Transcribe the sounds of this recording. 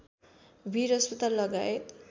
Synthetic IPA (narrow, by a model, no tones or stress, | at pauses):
bʱiɾʌspʌt̪alːʌɡaet̪